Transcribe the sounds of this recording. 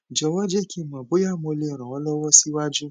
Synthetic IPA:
d͡ʒɔ˧˨wɔ˦d͡ʒɛ˦˨ki˦˨mãː˨bo˨˦ja˦˨mo˧le˧ɔ˨ɾ̃ã˨wɔ˦lɔ˦wɔ˦si˦wa˦d͡ʒu˦

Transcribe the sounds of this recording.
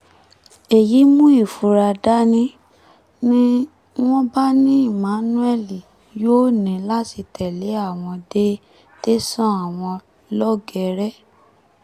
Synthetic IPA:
e˨ji˨˦mũ˦i˦˨fu˨˧˦ɾa˧da˦nĩ˦ | nĩ˦ | w̃ɔ̃˦ba˦nĩ˦i˦˨mã˨˦nũ˦ɛ˦˨li˨ | jo˦nĩ˨la˦ti˧tɛ˨le˨˦a˦˨w̃ɔ̃˧de˦ | te˦sɔ̃˦a˦˨w̃ɔ̃˧ | lɔ˦ɡɛ˨˧˦ɾɛ˦

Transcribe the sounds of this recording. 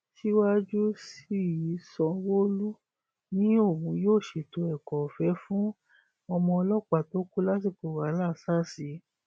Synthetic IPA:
ʃi˦wa˦d͡ʒu˦si˦˨ji˨˦sɔ̃˧wo˦lu˦ | nĩ˨˦o˦˨wũ˨˦joː˦˨ʃe˨to˧ɛ˨kɔ˨fɛ˨˦fũ˦ | ɔ˧mɔ̃˧ɔ˧lɔ˦k͡pa˦˨to˨˦ku˦la˦t̬i˦˨k͡po˨wa˨˦la˦˨sa˦˨si˨˦

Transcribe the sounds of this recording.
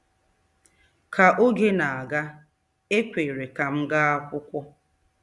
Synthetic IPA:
kʰa˨ʔo˦ɡe˦na˨a˨ɡa˦ | e˦kʷe˨ɾe˨ka˨m̩˦ɡa˦a˦kʷʊ˦kʷɔ˦

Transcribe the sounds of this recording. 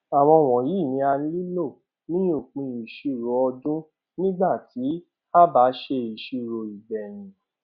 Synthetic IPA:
a˨w̃ɔ̃˧˨w̃ɔ̃˨ji˨˦˨nĩ˧a˧n˦li˦lo˦˨ | nĩ˦o˦˨k͡pĩ˧i˨ʃi˧ɾo˨˧ɔ˧dũ˦ | nĩ˦ɡ͡ba˦˨tʰi˨˦ | a˦ba˨˦ʃe˧i˨ʃi˧ɾo˨i˨bɛ˨j̃ĩ˨

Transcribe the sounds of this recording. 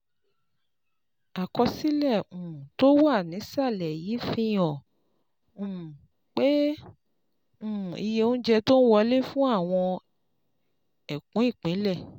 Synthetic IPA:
a˨kɔ˧si˦lɛ˦˨ũ˨to˦wa˦˨nĩ˨˦sa˦˨lɛ˨ji˨˦fĩ˧j̃ɔ̃˨ | ũ˦˨ | k͡pe˦ | ũ˦˨i˧jẽ˧˦d͡ʒɛ˧to˦n̩˦wɔ˧le˦fũ˦a˦˨w̃ɔ̃˧ | ɛ˨kũ˨˦i˦˨k͡pĩ˨˦lɛ˦˨

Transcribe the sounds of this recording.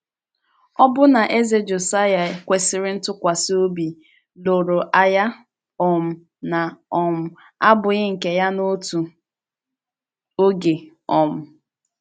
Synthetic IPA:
ɔ˦bʊ˦na˨ʔe˦ze˦d͡ʒo˨sa˦ja˨kʷe˨sɪ˨ɾɪ˦n̩˦tʊ˦kʷa˨so˦bi˨ | lo˨ɾo˨ʔa˦ja˦ | ɔ˨m̩˨ | na˨ɔ˨m̩˦ | a˦bʊ˨ɣɪ˦ŋ̩˨ke˦ja˦no˦tu˨ | o˦ɡe˨ | ɔ˨m̩˨

